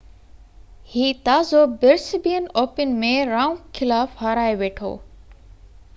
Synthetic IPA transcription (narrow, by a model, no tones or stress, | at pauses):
hiːt̪aːzobɪɾsɪbijənoːpɪn̆mẽɾaːʊ̃mkʰɪlaːfɦaːɾaːeʋeːʈʰo̰ː